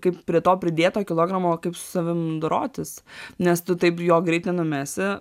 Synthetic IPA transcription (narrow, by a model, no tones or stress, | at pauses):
kɐɪppʲɾʲiɛt̪oːpʲɾʲɪd̪ʲeːt̪oːkʲɪlˠoːɡɾɐmoːkɐɪpsʊ̥sɐʋʲɪmd̪ʊɾoːt̪ʲɪsnʲɛst̪ʊt̪ɐɪpjoːɡɾʲɛɪt̪ʲnʲɛnʊmʲæːsʲɪ